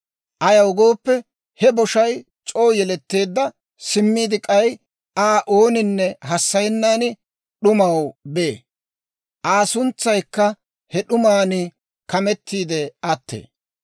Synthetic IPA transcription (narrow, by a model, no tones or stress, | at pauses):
ʔɐjɐwɡo̞ːpːɛ | hɛbɔʃɐj | t͡ʃʼo̞ːjɛlɛt̪ːe̞ːd̪ːɐ | sɪmːiːd̪ɪkʼɐj | aːʔo̞ːnɪnːɛɦɐsːɐjɛnːaːnɪ | ɗʊmɐwbe̞ː | ʔaːsʊnt͡sːɐjkːɐ | hɛɗʊmaːnɪ | kɐmɛt̪ːiːd̪ɛɐt̪ːḛː